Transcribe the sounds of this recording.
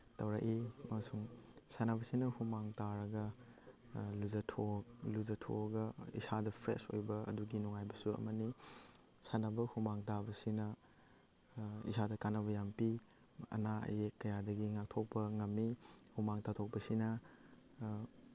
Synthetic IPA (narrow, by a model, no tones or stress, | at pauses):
tɐwɾakimɐmɐsuŋsanɐbɐsinɐhumaŋtaɾɐɡɐ | luzɐtʰoluzɐtʰo̰ɡɐḭsadɐpʰɾḛso̰jbɐɐ̰duɡinuŋajbɐsuɐ̰mɐni | sanɐbɐhumaŋtabɐsinɐ | ḭsadɐkanɐbɐjampi | ɐ̰naɐ̰jekːɐjadɐɡiŋak̚tʰok̚pɐŋɐmːihumaŋtatʰok̚pɐsinɐ